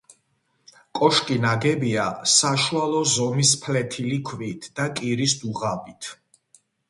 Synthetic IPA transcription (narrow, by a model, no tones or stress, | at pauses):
kʼɔʃkʼinaɡɛbiasaʃualˠɔzɔmispʰlɛt̪ʰilikʰvit̪ʰd̪̥akʼiɾisd̪uʁabit̪ʰ